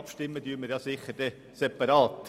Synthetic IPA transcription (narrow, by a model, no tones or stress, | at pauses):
pʃtɪmːəd̥yːmɪɾjɑsɪχəɾd̥ɛ | sɛpɑɾɑːt